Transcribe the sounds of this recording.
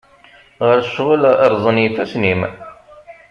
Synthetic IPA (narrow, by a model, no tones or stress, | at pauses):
ʁəɾʃːʁəlɾˤðˤənjiθæsnim